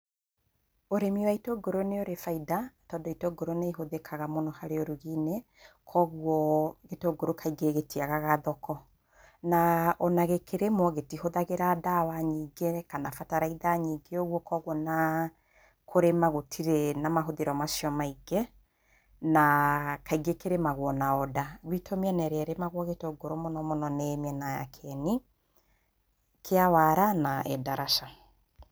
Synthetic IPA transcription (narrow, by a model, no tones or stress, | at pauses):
oɾemiwaitoɡoɾoneoɾefaidatɔdɔitoɡoɾoneiɦoðekʰaɣamonɔhaɾeoɾuɣine | kʰɔɣuɔɣetoɡoɾokʰaiɡeɣetiaɣaɣaðɔkɔ | naʔɔnaɣekʰeɾemɔɣetihoðaɣeɾadawaɲiːɡekanafataɾaiðaɲiɡeoɣwɔkɔɣwɔna | kʰoɾemaɣotʰiɾenamaɦoðeɾɔmasiɔmaiɡɛ | nakaiɡekeɾemaɣwɔnaɔdaɣwitomɛnɛɾɛɾemaɣwɔɣetoɡoɾomɔnɔmɔnɔnɛmɛnaja̰kʰɛni | kʰeawaɾanaɛ̰daɾaʃa